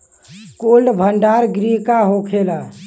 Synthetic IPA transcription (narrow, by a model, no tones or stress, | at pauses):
kolɖbʱəɳɖaɾɡɾiɦkaɦokʰela